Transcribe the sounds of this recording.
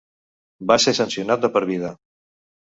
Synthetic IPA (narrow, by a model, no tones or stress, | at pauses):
basesənsiunat̪̚d̪əpəɾβiðə